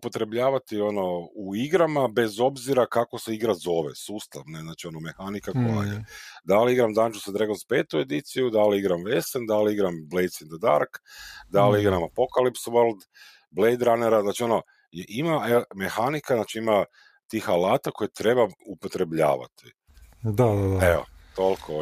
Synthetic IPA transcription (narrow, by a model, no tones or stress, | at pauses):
upo̞t̪ɾe̞bʎaːʋat̪io̞no̞uiɡɾamabe̞zo̞bziɾakakoseiɡɾazo̞ʋesuːst̪aʋne̞znaːt͡ʃio̞nomexanikakoja̰jḛd̪aliiɡɾamd̪and͡ʒusad̪ɾeɡonzpe̞ːt̪ue̞d̪it̪sijud̪aliiɡɾamʋe̞send̪aliiɡɾamblej̪sind̪ad̪a̰ɾkd̪aliiɡɾamapokalipsʋoɾld̪ | blejd̪ɾaneɾaznaːt͡ʃio̞no | jeʔimaeme̞xanikaznaːt͡ʃiima | t̪ixalaːt̪ako̞jet̪ɾe̞baupot̪ɾe̞bʎa̰ːʋa̰t̪i | d̪adaeo̰t̪o̞lkʰo